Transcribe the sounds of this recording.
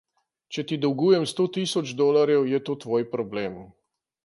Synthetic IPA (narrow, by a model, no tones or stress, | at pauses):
t͡ʃɛt̪id̪ɔwɡuːjɛmst̪oːt̪isɔd͡ʒd̪oːlaɾjɛwjɛt̪oːt̪ʋoːjpɾɔbleːm